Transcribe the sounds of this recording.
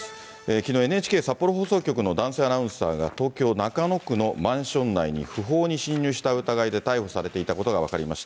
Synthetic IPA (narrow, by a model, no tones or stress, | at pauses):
ekʲino̞ːe̞neːt͡ɕi̥ke̞ːsapːo̞ɾo̞ɦo̞ːso̞ːkʲo̞k̬ɯ̟no̞d̪ãɰ̃se̞ːanaɯ̟̃ɰ̃sa̰ːɡa̰t̪o̞ːkʲo̞ːnakano̞kɯ̟no̞mãɰ̃ɕõ̞nːaiɲ̟ḭɸɯ̟ɦo̞ːɲ̟iɕĩɲ̟ːjɨːɕi̥t̪aɯ̟t̪aɡaid̪e̞t̪aiɸosaɾe̞t̪e̞it̪ako̞t̪o̞ɡaβ̞a̰kaɾʲimaɕi̥t̪aa